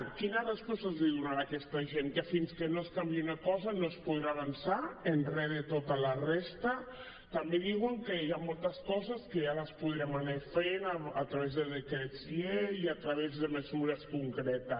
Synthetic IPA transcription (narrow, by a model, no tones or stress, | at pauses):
kinaðeskɔsazðiðunaɾakɛst̪aʒeŋkəfinskənoskambiiunakɔzanospuðɾaβansaenrɛðet̪ot̪alarest̪ə | t̪ambeðiɣwəŋkəjamolˠt̪əskɔzəskəjalaspuðɾamanefenaat̪ɾaβezðəðekɾesieiat̪ɾaβezðəməzuɾəskuŋkɾɛt̪ə